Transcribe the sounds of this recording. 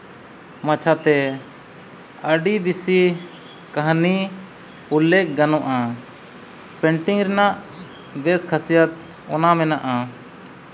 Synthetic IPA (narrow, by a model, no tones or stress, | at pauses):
mat͡ʃʰat̪ɛ | əɖibisi | kaɦni | ulːɛk̚ɡanɔʔa | pɛɳʈiŋɾɛnaʔ | bɛskʰasijat̪̚ | ɔnamɛnaʔa